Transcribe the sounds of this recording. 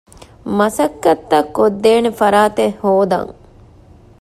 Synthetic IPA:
mɐsɐkːɐt̪ːɐkːod̪ːeːnefɐɾaːt̪ehoːd̪ɐ̰ŋ

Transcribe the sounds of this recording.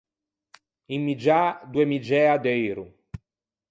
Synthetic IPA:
imːid͡ʒad̪uemid͡ʒɛad̪ejɾu

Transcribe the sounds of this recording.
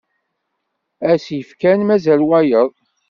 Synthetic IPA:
æsjəfkænmæzælwæjəðˤ

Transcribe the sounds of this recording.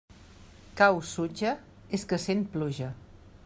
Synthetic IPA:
kawsud͡ʒə | eskəsen̚pluʒə

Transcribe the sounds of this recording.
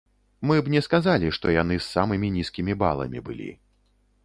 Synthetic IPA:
mɨbnʲɛskazalʲiʂt̪ɔjan̪ɨsːamɨmʲinʲiskʲimʲiba̰lˠɐ̰mʲḭbɨ̰lʲḭ

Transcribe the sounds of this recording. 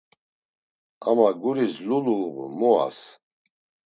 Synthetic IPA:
a̰maɡuɾisluluːʁmɔa̰s

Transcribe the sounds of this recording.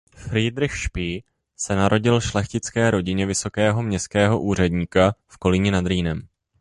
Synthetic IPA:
fɾiːd̪ɾɪxʃpiː | sɛnaɾo̞ɟɪlʃlɛxcɪt͡skɛːɾo̞ɟɪɲɛvɪso̞kɛːɦo̞mɲɛskɛːɦo̞ʔuːr̝ɛdɲiːkafko̞lɪɲɛnad̪ɾiːnɛm

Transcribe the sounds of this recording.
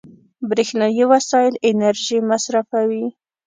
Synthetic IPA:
bɾixnɑjiwasɑjɪlɪnaɾʒimasɾafawi

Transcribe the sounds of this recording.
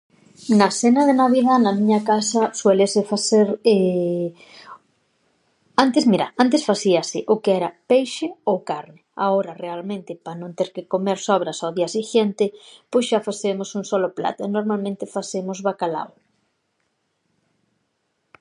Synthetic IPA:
nɐsɛnɐðenaβiðanɐmĩɲɐkasɐswelesɪfaθeɾe | ant̪esmiɾa̰ant̪̬esfasiɐsɪʔʊkeɛɾɐpejʃɪowkaɾnɪa̰oɾɐrealmẽnt̪ɪpanõnt̪eɾkɪkomeɾsɔβ̞ɾɐsaðiasiʃent̪ɪpojszʃafaθemʊsuŋsɔlʊpla̰t̪ɛnoɾmalmẽnt̪ɪfaθemʊzβakala̰w

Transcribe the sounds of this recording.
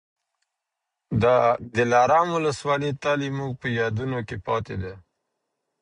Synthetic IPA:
d̪əd̪ɪlɑɾɑmuləswɑlit̪ɑlimuɡ̚pəjɑd̪unokepɑt̪ed̪a

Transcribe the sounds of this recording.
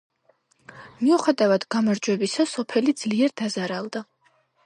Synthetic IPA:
miuχɛd̪avad̪ɡamaɾd͡ʒwɛbisasɔpʰɛlid̪zliɛɾd̪azaɾalˠd̪a

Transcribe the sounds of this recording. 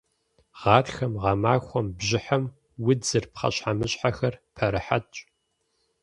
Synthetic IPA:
ʁ̥ɑːtxɐmʁɑmaːxʷɔmbʑɪħɐm | wʊd͡zɨrpχɐ̰ɕʼħamɨɕʼħaxɐrpʰɐɾɨħatʼ

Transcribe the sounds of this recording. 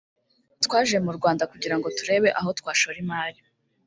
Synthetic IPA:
twaːʒemuɾɡwaːndakuɟiɾaŋɡo̞tuɾe̞ːβe̞ʔaɦo̞tkwaːʃoɾimaːɾi

